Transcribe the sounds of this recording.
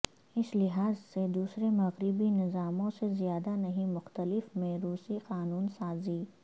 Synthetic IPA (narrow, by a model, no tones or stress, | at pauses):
ɪslɪɦaːzsed̪uːsɾemɐɣɾɪbinɪzaːmõsezjaːd̪anɐɦĩmʊxt̪əlɪfmẽɾuːsiqaːnuːnsaːziː